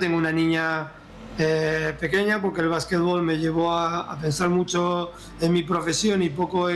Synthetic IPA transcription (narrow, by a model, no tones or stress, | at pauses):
t̪eŋɡounanĩɲa | epe̞ke̞ɲapo̞ɾkelβ̞asket̪βo̞lme̞ʎe̞β̞o̞aa̰pe̞nsaɾmut͡ʃo̞ | enmipɾo̞fe̞sjo̞nipo̞ko̞